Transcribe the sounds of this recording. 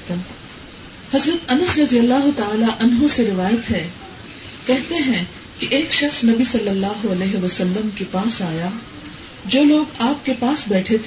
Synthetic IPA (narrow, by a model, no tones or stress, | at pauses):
t̪ː | hɐzɾət̪ɐnəsɾɐd̪ijəlːaːɦʊt̪aaːlaʔɐnɦõseɾɪʋaːjət̪ɦɛː | kɛɦt̪eɦɛ̃ | kiʔeːkʃɐxsnɐbisɐlːəlːaːɦoɐleːɦeʋɐsəlːəmkepaːsaːja | d͡ʒoːloːɡaːp̚kepaːsbɛːʈʰet̪ʰe